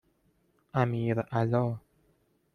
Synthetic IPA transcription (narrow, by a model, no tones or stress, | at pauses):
ʔamiːɾʔalɔː